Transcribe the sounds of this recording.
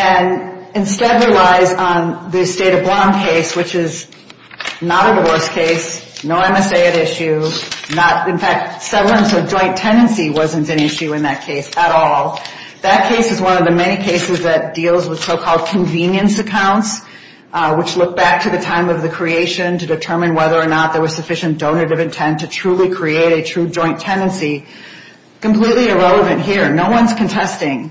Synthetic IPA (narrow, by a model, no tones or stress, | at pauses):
ɨ̃nɨ̃nstɛd̚ɹilaɪzn̩ðɨsteɪɾʌblɑ̃mkʰeɪswɨt͡ʃɪz | nəɾɨðəwɜ˞skʰeɪsnoʊɛ̃mɛseɪɨɾɪʃʉnəɾɨ̃nfæk̚tsɛvɹ̩l̩ˠə̃nsoʊd͡ʒɔ̃ɪ̃ntʰɛ̃ndɨ̃nsiwʌzɨ̃ntɨ̃nɪʃʉɨ̃nðɨt̚kʰeɪsəɾɔlˠ | ðɨt̚kʰeɪsɨzwʌ̃nʌvðɨmɛñikʰeɪsɨzðɨt̚d̥ilˠzwəð̥soʊkʰɔlˠd̚kʰɨ̃ɱvĩnjɨ̃nsɨkʰãʊ̃nts | wət͡ʃlʊk̚b̥æk̚tʰɨðɨtʰãɪ̃mʌvðɨkʰɹ̥ieɪʃɨ̃ntɨdɨtʰɜ˞mɨ̃nwɛðə˞ːnət̪̚ðə˞wʌ̥˞sɨfɪʃɨ̃nd̥õʊ̃nɨɾɨvɨ̃ntʰɛ̃ntʰɨtʰɹ̥ulˠikʰɹ̥ieɪɾɨtʰɹ̥ʉd͡ʒɔ̃ɪ̃ntʰɛ̃ndɨ̃nsi | kɨ̃m̩pʰl̥itˡliɨɹɛlˠəvɨ̃nʔɦiɹnoʊwʌ̃nz̥kʰɨ̃n̩tʰɛstɪ̃ŋ